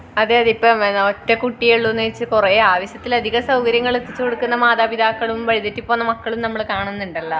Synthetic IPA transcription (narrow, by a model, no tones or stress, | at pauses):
ɐðeɐðipːɐmnːotːɐkuʈːijeɭːunːeit͡ɕːɨkureːaːʋɐɕjɐt̪ːilɐd̪ʱiɣɐsɐwkɐɾjɐŋːɐɭet̪ːit͡ɕːɨko̞ɽukːunːɐmaːðaːbid̪ʱaːkːɐɭumʋɐɻiðetːipːoːnːɐmɐkːɐɭumnɐmːɐɭkaːɳunːuɳɖɐlːɐ